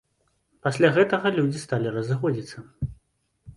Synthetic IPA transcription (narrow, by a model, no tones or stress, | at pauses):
pasʲlʲaɣɛt̪ɐɣɐlʲud͡zʲist̪alʲirɐzɨxɔd͡zʲit̪sːɐ